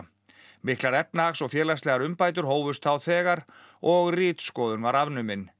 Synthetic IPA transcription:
mɪhklaɾɛp̚naaxsɔɣfjɛːlast̪ɛːɣaɾʏmpaːjt̪ʏɾ̥ɦoːwvʏst̪θawθɛːɣaɾ | ɔɣriːt̪skɔːðʏnvaɾavnʏmɪn

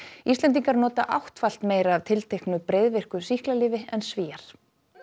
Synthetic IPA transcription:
ist̪lɛnt̪̬iŋkaɾnɔːt̪aʔa̰wht̪fal̥t̪meːjɾaːv̥t̪ʰɪlt̪ʰejhknʏpɾejðvɪr̥kʏsihklalɪːvɪɛnsviːaɾ̥

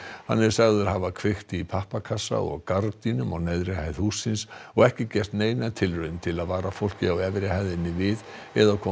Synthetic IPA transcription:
ha̰nːɛɾ̥saɣðʏɾɦavakʰvɪxt̪ipʰahpakʰasa̰ɔ̰ɣkaɾt̪inʏmɔɣnɛðɾɪhajðhuːsːɪnsɔɣɛhcɪcɛr̥t̪neːjnat̪ʰɪlrœðʏmt̪ʰɪlaðvaːɾafowl̥cɪawɛvɾɪhajðɪnːɪvɪð | ɛðakʰɔ

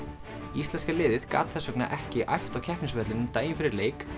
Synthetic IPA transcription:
ist̪lɛnskalɪːðɪðka̰ːt̪θɛsːœkna̰ʔɛhcɪʔa̰jft̪awcʰɛhpniŋsvɛt̪lɪnʏmt̪aːjɪnfɪɾɪɾleːjk

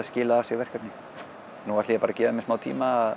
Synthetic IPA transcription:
aðscɪːlaasɛvɛr̥kapnɪ | nuːasiːɣapaɾacɛːvamɪsmaːwt̪ʰḭːmað

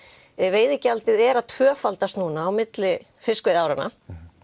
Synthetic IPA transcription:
veːjðɪcalt̪ɪðɛɾat̪ʰv̥œːfalt̪ast̪nuːnaːwmɪt̪lɪ | fɪskvɪðaːwɾɪna̰

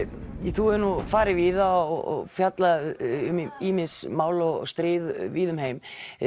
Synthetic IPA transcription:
θuɛɾnufaːɾɪviːðaɔɔ̰ɣfjat̪laʏmiːmɪsmaːwlɔɣ̰st̪ɾɪːðviːðʏmɦejm

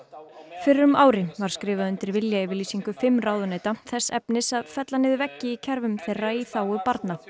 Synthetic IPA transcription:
fɪɾɾʏmaːwɾɪvaɾ̥skɾɪːvaðʏnt̪ɪɾvɪljaɪvɪɾliːsiŋkʏfɪmːraːwðʏneːjt̪aθɛsːɛpnɪsaðfɛt̪lanɪːðʏvɛcːɪicʰɛɾvʏmθeːjrːaiθaːwʏpaɾt̪na

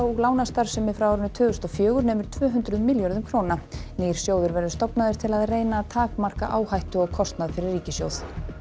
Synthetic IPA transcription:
wuɣlaːwnast̪aɾ̥sɛmɪfɾawɔɾʏnʏt̪ʰʏːɣʏst̪ɔfjœːɣʏɾnɛːmʏɾ̥t̪ʰvœːɦʏnt̪ɾʏðmɪljɔɾðʏmkʰɾoːwnaneːjɾ̥sjoːwðʏɾvɛɾðʏst̪ɔpnaðʏɾ̥t̪ʰɪlaðreːjnat̪ʰaːkmar̥ka̰ʔaːwhajht̪ʏɔɣkʰɔst̪naðfɪɾɪɾːiːcɪsjo̰wð̥

